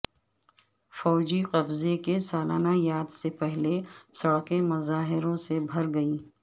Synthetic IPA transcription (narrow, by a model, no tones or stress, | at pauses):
fɔːd͡ʒiqɐbzekesaːlaːnajaːd̪sepɛɦlesɐɽqemɐzaːɦɪɾõsebʱɐɾɡɐiː